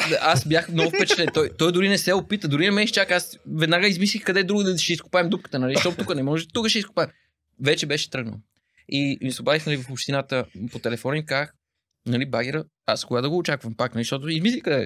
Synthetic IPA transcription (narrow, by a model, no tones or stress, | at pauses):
aʔasbʲjaxmnɔʊfpɛt͡ʃɛt̪lɛt̪ɔjt̪ɔjd̪ʊɾinɛsɛopit̪əd̪ʊɾinɐmɛʃt͡ʃakasvɛd̪naɡəizmis̬lixkɐd̪ɛd̪ɾuɡəd̪əʃɛisko̥paɛmd̪up̚kə̥t̪ənɐliʃt̪ɔt̪ukənɛmɔʒɛt̪ukəʃɛiskʊ̥paɛm | vɛt͡ʃɛbɛʃɛ̥t̪ɾɤɡnə̰lˠ | imisɛobaðixnɐlivɐfopʃt̪inat̪əpot̪ɛlɛfɔnimkax | nɐlibaɡʲɛɾə | askoɡad̪əɡoːt͡ʃakvəmpaknɐliʃt̪ɔt̪ʊizmislixkɐd̪ɛ